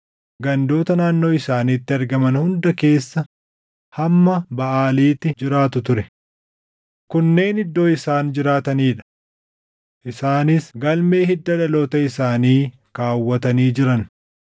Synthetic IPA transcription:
ɡɐnd̪o̞ːt̪ɐnaːnːo̞ːɪsaːnɪt̪ːɪɐɾɡɐmɐnhʊnd̪ɐke̞ːsːɐ | hɐmːɐbɐʔaːliːt̪ːɪd͡ʒɪɾaːt̪̬ʊt̪ʊɾɛ | kʊnːe̞ːnɪd̪ːo̞ːɪsaːnd͡ʒɪɾaːt̪ɐniːᶑɐ̥ | ʔɪsaːnɪsɡɐlme̞ːhɪd̪ːɐᶑɐloːt̪ɐɪsaːniː | kaːwːɐt̪ɐniːd͡ʒɪɾɐn

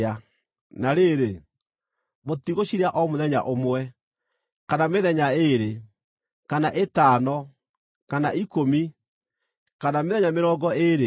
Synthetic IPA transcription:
a | naɾeɾe | motiɣoɕiɾeaʔɔmoðɛɲa̰ʔomwɛ | kanameðɛɲaeɾe | kanaʔetanɔ | kanaikomi | kanameðɛɲameɾɔːɡɔeɾe

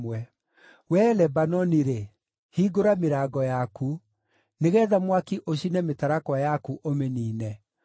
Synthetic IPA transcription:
wɛ | wɛlɛbanɔniɾe | hiːɡoɾameɾaːɡɔjaku | neɣɛðamwakiʔoɕinɛmetaɾakwajakuʔomeniːnɛ

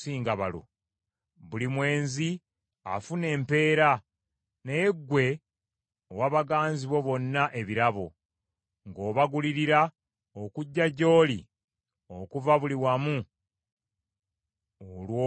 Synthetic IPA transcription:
siːŋɡaβalo̰ | βulimwe̞ːnzi | a̰fune̞ːmpe̞ːɾa | nejeɡwe̞ | owaβaɡaːnziβo̞βo̞nːaʔe̞βiɾaβo̞̰ | ŋɡo̞ːβaɡuliɾiɾa | okuɟːaɟo̞ːlḭ | okuvaβuliwamu | olwo

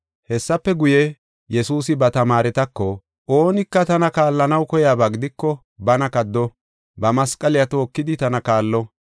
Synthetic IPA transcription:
hɛsːɐpːɛɡʊjɛ | jɛsuːsɪbɐt̪ɐmaːɾɛt̪ɐkːɔ | ʔo̞ːnɪkːɐt̪ɐnɐkaːlːɐnɐwkɔjaːbaːɡɪd̪ɪkːɔ | bɐnɐkɐd̪ːɔ | bɐmɐskʼːɐlɪjɐt̪oːkːɪd̪ɪt̪ɐnɐkaːlːɔ

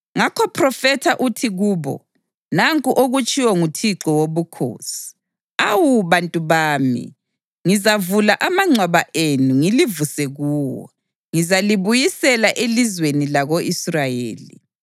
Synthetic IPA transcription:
ŋakʰɔpʰrɔfɛtʰaʔutʰiɣuːβɔ̰ | naŋkʼuʔoɣut͡ʃʼiwɔŋutʰiǁɔwoβukʰo̰ːsi̥ | awuβantʼuβaːmḭ | ŋizavulaʔamaŋ͡ǀʱwaβaʔenuŋilivusɛɣuːwɔ̰ | ŋizaliβujisɛlaʔelizwenilaɣoʔisrajḛːlḭ

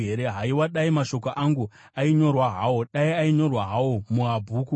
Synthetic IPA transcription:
eɾeɦaiwaɗaimaʃo̞koʔaŋɡu | aiɲo̞rwaɦawo̞ɗaiaiɲo̞rwaɦawomuɦabʱuːku

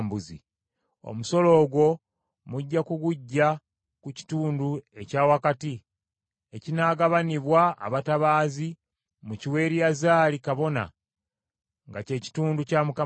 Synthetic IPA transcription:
mbuzḭ | o̞̰muso̞lo̞ːɡwo̞ | muɟːakuɡuɟːa | kuci̥tuːndue̞caːwakati | ecinaːɡaβaniβwa̰ːβataβaːzi | muciwe̞ːɾiazaːlikaβo̞na̰ | ŋɡace̞ːci̥tuːnducamuka

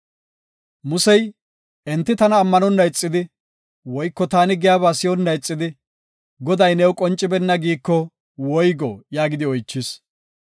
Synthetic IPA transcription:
mʊsɛj | ɛnt̪ːɪt̪ɐnɐːmːɐnɔnːɐjt͡sʼːɪd̪ɪ | wɔjkːɔt̪aːnɪɡɛjaːbaːsɪjɔnːɐjt͡sʼːɪd̪ɪ | ɡɔd̪ɐjnɛʊkʼɔnt͡ʃʼːɪbɛnːɐɡiːkːɔ | wɔjɡɔjaːɡɪd̪ɪɔjt͡ʃːɪs

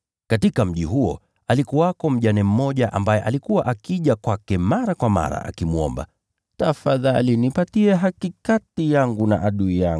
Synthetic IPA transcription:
katikam̩ʄiɦuɔ | alikuwakɔm̩ʄanɛm̩mɔʄaʔambajɛʔalikuwaʔakiʄakwakɛmaɾakwama̰ɾa̰ʔa̰kimuɔ̰mba̰ | tafaðalinipatiɛɦakikatijaŋɡuna̰ʔaɗuijaŋ

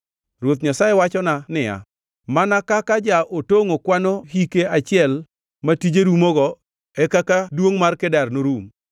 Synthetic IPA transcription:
ɾwot̪ɲasajewat͡ʃɔnanɪja̰ | manakakad͡ʒaʔotoŋokwanoɦikeat͡ʃɪɛl | matid͡ʒeɾumoɡɔ | ɛkakadwoŋmarkɪdɛrnoɾum

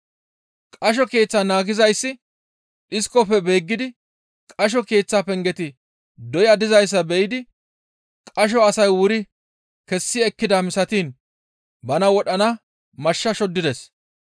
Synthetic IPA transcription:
kʼɐʃ̬ɔke̞ːt͡sːanaːɡɪzɐjsːɪ | ʔɪskːɔpːɛbe̞ːɡːɪd̪ɪ | kʼɐʃ̬ɔke̞ːt͡sːapɛŋɡɛt̪ɪ | d̪ɔjɐd̪ɪzɐjs̬ːɐbɛʔɪd̪ɪ | kʼɐʃ̬ɔɐsɐjwʊɾɪ | kɛsːɪɛkːɪd̪ɐmɪsɐt̪iːn | bɐnɐwɔɗɐnɐ | mɐʃːɐʃɔd̪ːɪd̪ɛs

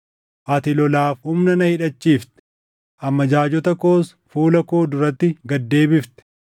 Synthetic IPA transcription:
ʔɐt̪ɪlɔlaːfhʊmnɐnɐhɪᶑɐt͡ʃːiːft̪ɛ̥ | ʔɐmːɐd͡ʒaːd͡ʒɔt̪ɐko̞ːs | fuːlɐkoːd̪ʊɾɐt̪ːɪɡɐd̪ːe̞ːbɪft̪ɛ̥

